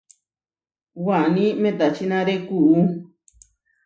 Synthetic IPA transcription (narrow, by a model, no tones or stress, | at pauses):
wanĩmẽt̪at͡ʃinãɾekuʔu